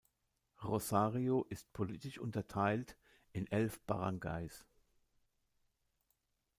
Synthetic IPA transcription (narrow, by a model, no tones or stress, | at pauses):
ʁozaːʁioʔɪst̚pʰoliːtɪʃʔʊ̰ntɐtʰaɪlt | ɪnʔɛlfb̥a̰ʁaŋɡa̰ɪs